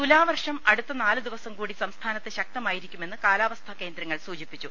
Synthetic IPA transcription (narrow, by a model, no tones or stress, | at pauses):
t̪ulaːʋɐrʂɐmɐɽut̪ːɐnaːlɨd̪iʋɐsɐmkuːɽisɐmst̪ʰaːnɐt̪ːɨɕɐk̚t̪ɐmaːjiɾikʲːume̞nːɨkaːlaːʋɐst̪ʰɐke̞ːnd̪ɾɐŋːɐɭsuːd͡ʑipːit͡ɕːu